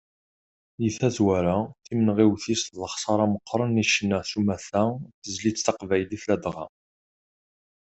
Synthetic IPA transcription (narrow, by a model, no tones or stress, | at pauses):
jəθæθwæɾaθimənʁiwθist̪ðəχsˤɑɾˤɑməqːɾˤəniʃnːæsumæθæθəzlit͡sθɑqvæjliθlæd̪ʁɑ̰